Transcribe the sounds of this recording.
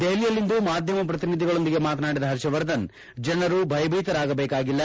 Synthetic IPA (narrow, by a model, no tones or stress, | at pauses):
d̪eɦlijɐlːind̪umaːd̪ʱjɐmɐp̬ɾɐt̪inid̪ʱiɡɐɭo̞nd̪iɡe̞maːt̪ɐnaːɽid̪ɐɦɐɾʃɐʋɐɾd̪ɐn | d͡ʒɐnɐɾubʱɐjɐbʱiːt̪ɐɾaːɡɐbeːkaːɡilːɐ